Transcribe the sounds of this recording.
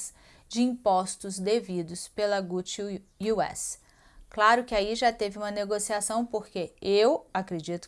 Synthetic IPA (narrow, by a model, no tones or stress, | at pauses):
s | d͡ʒɪĩpɔst̪ʊzd̪evid̪ʊspelɐɡut͡ʃ | uɛ̰s | klaɾʊkɪaiʒat̪evɪũmɐneɡosiasɐ̃w̃poɾkeewakɾed͡ʒit̪ʊ̥